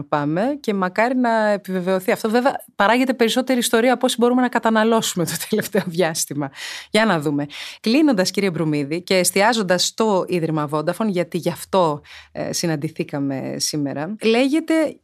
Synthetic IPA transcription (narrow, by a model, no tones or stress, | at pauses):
pɐme̞ce̞mɐkɐɾinɐepive̞ve̞o̞θiɐft̪o̞ve̞veɐpɐɾɐʝet̪̬e̞pe̞ɾiso̞t̪e̞ɾiːst̪o̞ɾiɐpo̞sibo̞ɾume̞nɐkɐt̪ɐnɐlo̞sume̞t̪o̞̥t̪ʰele̞ft̪eoðʝɐst̪imɐʝɐnɐðume̞klino̞nd̪ɐsciɾiçebɾumiðice̞ːst̪iɐzond̪ɐst̪o̞iðɾimɐvo̞d̪ɐfo̞nʝɐt̪iʝɐft̪o̞̰sinɐnd̪iθikɐme̞̰sime̞̰ɾɐle̞ʝe̞t̪e̞